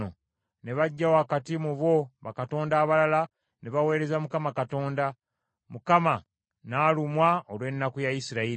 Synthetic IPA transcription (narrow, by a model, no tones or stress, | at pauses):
o | ne̞βaɟːawakatimuβo̞βa̰kato̞ːndaːβalala | ne̞βawe̞ːɾe̞zamukamakato̞ːnda | mukama | naːlumwaolwe̞nːakujajisiɾai